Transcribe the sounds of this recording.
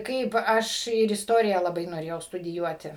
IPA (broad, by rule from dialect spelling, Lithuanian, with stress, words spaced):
ˈkɐɪp ˈɐʃ ɪr ˈɪstoːrʲɪjɛ lˠɐˈbɐɪ noːˈrʲeːjɛʊ stʊdʲɪˈjuɔtʲɪ